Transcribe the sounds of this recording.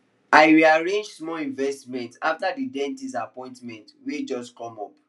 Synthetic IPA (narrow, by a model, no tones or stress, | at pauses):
aɪwiaɹẽnd͡ʒsmɔlĩnvɛstmɛ̃ntaftadidɛ̃ntis̬apɔ̃ɪ̃ntmɛ̃ntwed͡ʒɔskɔ̃mɔp̚